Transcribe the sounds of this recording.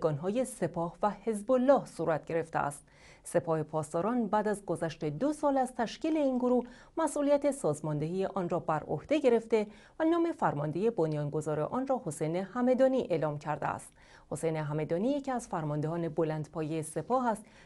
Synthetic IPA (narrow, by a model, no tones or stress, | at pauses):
ɡɒːnɦɒːje̞se̞pʰɒːhvæhe̞zbolːɒːhsuːɾæt̪̚ʰɟ̥e̞ɾe̞ft̪eʔæ̰st̪̚ | se̞pʰɒːhe̞pʰɒːst̪ɒːɾɒːnbæːd̪æzɡo̞zæʃt̪e̞d̪osɒːlæzt̪ʰæʃciːle̞iːnɡoɾuːh | mæsʔuːlijæt̪ʰe̞sɒːzmɒnd̪e̞ɦiːje̞ʔɒːnrɒːbæɾo̰hd̪̥e̞ɟe̞ɾe̞ft̪e̞ | vænɒːme̞fæɾmɒnd̪e̞je̞bonjɒːnɡo̞zɒːɾe̞̰ʔɒːnrɒːho̞sejnehæmed̪ɒːniʔe̞ːlɒːmcʰæɾd̪ḛæ̰st̪ | ho̞se̞jneɦæme̞d̪ɒːniːjecʰiæz̥fæɾmɒnd̪eɦɒːne̞bolænd̪pʰɒːjejese̞pʰɒːɦæst̪